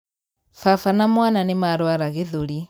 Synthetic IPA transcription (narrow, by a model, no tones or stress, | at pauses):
fafanamwananemaɾwaɾaɣeðuɾi